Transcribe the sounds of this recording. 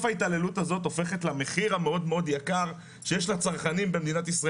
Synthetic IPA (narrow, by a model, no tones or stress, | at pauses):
fait̪ale̞lutazo̞to̞fe̞χetlame̞χiʁameo̞d̪meo̞djakaʁ | ʃejeʃlat͡saʁχanimbemed̪inat̪isʁa